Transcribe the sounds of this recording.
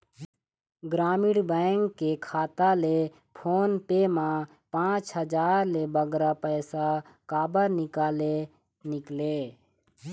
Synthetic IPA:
ɡɾaːmɪɽbəŋkːekʰaːt̪ale | pʰoːnpemã | pãːt͡ʃɦəd͡ʒaːɾlebəɡɾapəjsakaːbəɾnɪkaːle | nɪkle

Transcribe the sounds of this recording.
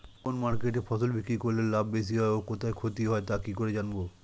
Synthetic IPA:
konmaɾkeʈ̬efʰɔsolbʱikɾikoɾlelabːes̬iɦɔeokot̪ʰaekʰot̪iɦɔet̪akikoɾed͡ʑanbo

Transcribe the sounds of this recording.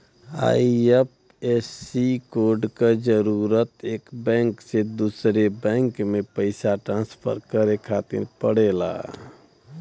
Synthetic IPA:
a̰iep̚ | esikoɾɖked͡ʒəɾuɾət̪eːkbɛ̃ŋksed̪usɾebɛ̃ŋkmepəɪsaʈɾãnspʰə̰ɾkəɾekʰat̪ḭɾpəɽela̰

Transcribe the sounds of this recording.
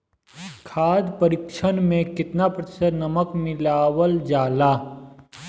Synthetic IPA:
kʰaːd̪pəɾɪkʃʰənmẽkɪt̪napɾət̪ɪ̥səɾnɐməkmɪlaːwəld͡ʒaːlaː

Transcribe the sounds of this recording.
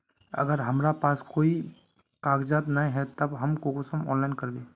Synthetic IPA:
ɐ̰ɡəɾɦɐmɾapaːskoːi | kaːɡd͡ʒaːt̪nɐĩɦɛt̪ɐbɦɐmkokʊsəmɔ̰ːnlaːɪnkəɾbeː

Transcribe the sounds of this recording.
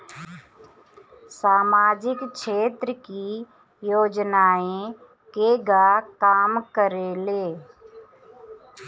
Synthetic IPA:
saːmaːd͡ʒɪkʃeːt̪ɾəkiː | joːd͡ʒnaːẽ | keːɡaːkaːmkəɾeːleː

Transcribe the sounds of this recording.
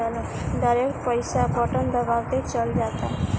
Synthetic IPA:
alɔ | d̪əɾekpəjsabɔʈənd̪əbawt̪et͡ʃəld͡ʒat̪a

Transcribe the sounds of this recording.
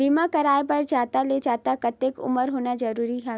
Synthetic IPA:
biːmãkɐɾaːebɐɾd͡ʒaːt̪aled͡ʒaːt̪akɐt̪ekʊ̰məɾɦoːnazɐɾuːɾiɦɛ

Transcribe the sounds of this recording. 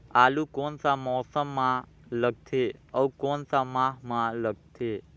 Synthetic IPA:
aːlukoːnsaːmɔːsəmːãː | ləɡ̚t̪ʰeːəukoːnsaːmãːɦmãːləɡ̚t̪ʰeː

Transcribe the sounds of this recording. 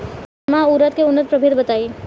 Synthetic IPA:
mauːɾət̪keʊnːət̪̚pɾəbʱeɾbɐt̪aːi

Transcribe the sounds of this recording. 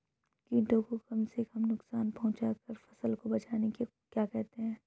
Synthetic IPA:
kĩːʈõkokɐmsekɐmnʊksaːnpɐɦʊ̃t͡ʃakɐɾfɐsəlkobɐt͡ʃaːneke | kjaːkɛɦt̪eɦɛ̃ː

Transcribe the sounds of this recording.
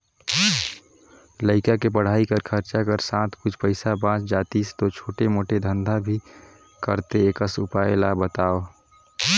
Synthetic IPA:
ləɪkakepəɽ̤aikəɾkʰəɾt͡ʃakəɾsãt̪ʰkʊt͡ʃʰpəɪsabãːt͡ʃd͡ʒaːt̪ist̪ot͡ʃʰoːʈemoːʈed̪ʱənd̪ʱabʱi | kəɾt̪eːkəsʊpaelabət̪aːo

